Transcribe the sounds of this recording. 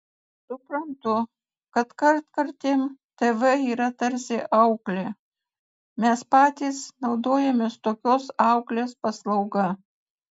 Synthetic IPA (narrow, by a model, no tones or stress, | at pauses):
sʊpɾɐnt̪ʊ | kɐt̪kɐɾt̪kɐɾʲt̪ʲeːmt̪eʋɛiːɾɐt̪ɐɾʲsʲɪʔɐʊklʲeː | mʲɛspɑːt̪ʲiːsnɒʊd̪oːjɛmʲeːst̪oːkʲoːsɑˑʊklʲeːspɐslˠɐʊɡɐ